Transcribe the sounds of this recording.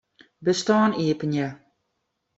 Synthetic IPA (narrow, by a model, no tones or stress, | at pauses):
bəstɑːniəpənjə